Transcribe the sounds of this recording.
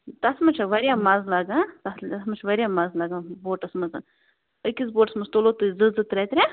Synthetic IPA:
t̪ɐsmɐt͡ʃʰɐʋɐɾjaːmɐzlɐɡãːt̪ɐɐsmɐt͡ʃʰʋɐɾʲjaːmɐzlɐɡãboːʈɐsmɐzɨ | əkʲis̬boːʈɐsmɐzt̪olot̪ɨzɨzɨt̪ɾʲɐt̪ʲɾʲa

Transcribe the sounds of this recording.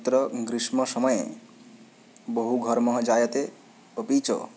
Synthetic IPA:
t̪ɾɔɡɾismɔsɔmɔje | boɦuɡʱʌɾmɔɦɔd͡ʒaːjʌt̪e | əpit͡ʃɔ̰

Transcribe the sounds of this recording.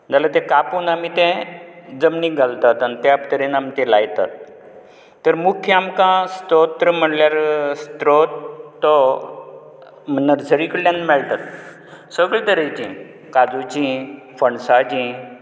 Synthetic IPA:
d͡zalat̪ẽkapuːnamit̪ẽd͡zəmniɡʱalt̪at̪anit̪japt̪əɾenamit̪ɛ̃lajt̪at̪ː | əɾmukʰjamkãst̪ɾot̪ːəɾm̤əɽljaɾst̪ɾot̪ːɔ | m̤ənːəɾd͡zəɾikəɽljãnmɛɭt̪at̪ | səɡɭet̪əɾəjt͡ɕḭ̃ | kad͡zut͡ɕĩ | fəɳsad͡ʑĩ

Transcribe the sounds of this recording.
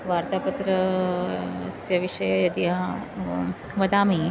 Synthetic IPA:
ʋaːɾt̪aːpɐt̪ɾɐ | sjɐʋiʃɐjɐjɐd̪iɦɐ | ʋɐd̪aːmiː

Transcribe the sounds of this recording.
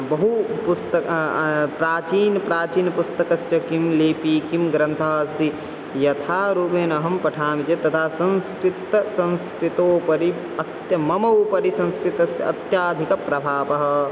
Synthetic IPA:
bɐɦupust̪ɐ | pɾaːt͡ʃiːnpɾaːt͡ʃiːnpust̪ɐkɐsjɐkimleːpiːkimɡɾɐ̃nt̪ʰaːɐsd̪i | jɐt̪ʰaːɾubeːnɐɦɐmpɐʈʰaːmit͡ʃet̪ɐt̪ʰaːsɐ̃nskɾit̪ːɐsɐ̃nskɾit̪oːpɐɾi | ɐt̪jɐmɐmɐwpɐɾisɐ̃nskɾit̪ɐsjɐɐ̰t̪jaːd̪ʱikɐpɾɐbʱaːpɐɦɐ̆

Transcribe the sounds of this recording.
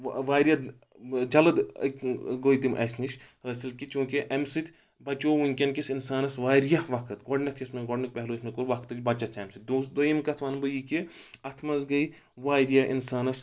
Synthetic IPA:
ʋaːɾjɐ | d͡ʒɐlɐd̪kɡoit̪imʔɐ̰sʲniʃhəːsilkit͡ʃũːkeʔɐmsɨt̪ʲ | bɐt͡ʃoːʋuŋʲkʲɐnkisinsaːnɐsʋaːɾjahʋɐkʰɨt̪ɡɔɖnɐt̪ʰjɐsmeɡoɖnɐk̚pɛɦloːsmɐkuɾʋɐkʰt̪ɨt͡ʃʲbɐt͡ʃɐt͡ʃʰɐmsɨt̪̚ʲd̪usd̪ojimkɐt̪ʰʋaːnbɨjiki | ɐt̪ʰmɐzɡɐi | ʋaːɾijaʔḭnsaːnɐs

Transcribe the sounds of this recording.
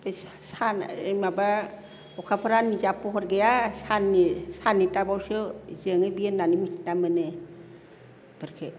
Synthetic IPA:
bes | sanejmaba | ɔkʰapʰaɾanizapɔɦɔɾɡejasanisanitabawsɯzɯŋɯbienːanimisi̥namɯnɯ | b̥ɯɾkʰe

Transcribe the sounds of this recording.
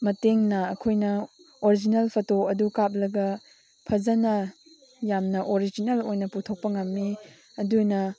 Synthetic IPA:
mɐteŋnɐːkʰojnɐ | oɾid͡ʒinelpʰɐtoɐdukap̚lɐɡɐ | pʰɐzɐnɐ | jamnɐʔoɾid͡ʒinɐlojnɐputʰok̚pɐŋɐmːi | ɐdunɐ

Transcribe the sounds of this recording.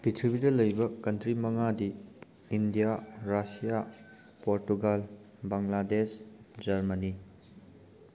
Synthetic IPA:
pitʰɾibidɐlɐjbɐkɐntʰɾimɐŋadiː | ndijaɾasija | poɾtuɡal | baŋladesd͡ʒɐɾmɐni

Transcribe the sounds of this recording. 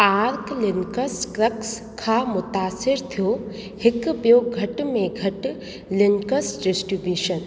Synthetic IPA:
aːɾklɪnkɐskɾɐks | kʰaːmʊt̪aːsɪɾt̪ʰijo | hɪkbjoːɡʱɐʈmẽɡʱɐʈ | lɪŋkɐsɖɪsʈɾibjuːʃən

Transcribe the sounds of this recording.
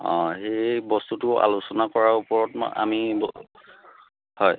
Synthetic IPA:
ɔ̰̃xejbɔstutʊʔa̰lusɔnakɔɹaupɔɹɔtm̰a̰mibɔ | hɔj

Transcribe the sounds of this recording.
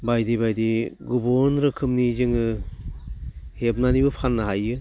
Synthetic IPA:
bajdibajdiɡubɔnɾɯkʰɯmnizɯŋɯ | hep̚nanibɯpʰanːaɦajɯ

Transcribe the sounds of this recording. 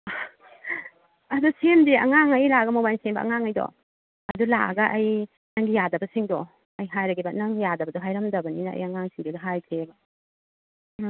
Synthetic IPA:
ɐdusemdiɐ̰ŋaŋajlaɡɐmobajnsenbɐ̰ʔɐ̰ŋaŋajdɔ̰ | ɐdula̰ɡɐʔːj | naŋɡijadɐbɐsiŋdɔ | ɐjɦajɾɐɡibɐnɐŋɡijadɐbɐdɔɦajɾɐmdɐbɐninɐa̰jɐŋaŋsiŋdedɐɦajkʰɾebɐ

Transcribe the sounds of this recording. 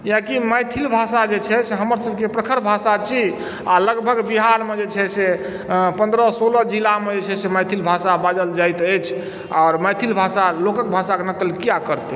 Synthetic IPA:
jãkiməjt̪ʰilbʱasad͡ʒet͡ʃʰɛseɦəməɾsəb̚ʱkepɾəkʰəɾbʱasat͡ʃʰi | aləɡbʱəɡbiɦaɾmed͡ʒet͡ʃʰɛse | pə̃nd̪ɾəsolɔd͡ʒilamed͡ʒet͡ʃʰɛseməjt̪ʰilbʱasabad͡ʒəld͡ʒajt̪əjt͡ʃʰ | aːɾməjt̪ʰilbʱasalokək̚bʱasakenəkəlkijakəɾt̪e

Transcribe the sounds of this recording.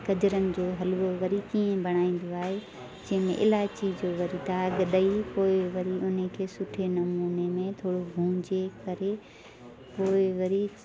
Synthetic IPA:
kɐd͡ʑɾənɪ̆d͡ʑoːɦɐlʋoʋɐɾikiːẽbɐɽ̃aːĩːn̆d̪oaːɦe | d͡ʑɐ̃ɦɪ̃mḛ̃ʔɪlaːt͡ɕid͡ʑoːʋɐɾit̪aːɡəɗ̪əipoːɪʋɐɾiʊnəkʰeːsʊʈʰenɐmuːnemẽt̪ʰoːɽobʱũːd͡ʑekɐɾe | poːɪʋɐɾi

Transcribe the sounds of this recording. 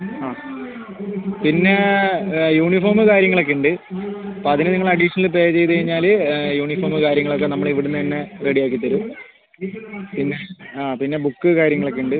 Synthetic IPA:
aː | pinːe̞ | juːɳifoːrmɨkaːɾjɐŋːɐɭokːeɳɖɨɐpoːɐðinɨniŋːɐɭɐɖiʂɐnilp̬eːjɐt͡ɕejt̪ɨkɐjiɲːaːljuːɳifoːrmɨkaːɾjɐŋːɐɭokːenɐmːɐɭiʋiɽunːɨinːe̞reɽijaːk̬ːit̪ːɐɾu | pinːeaːpinːe̞bukːɨkaːɾjɐŋːɐɭokːeɳɖɨ

